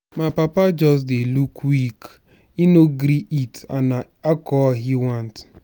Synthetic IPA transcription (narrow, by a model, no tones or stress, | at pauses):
mapapad͡ʒɔs̬delukwik | inoɡɾiʔita̰na | akɔɦiwant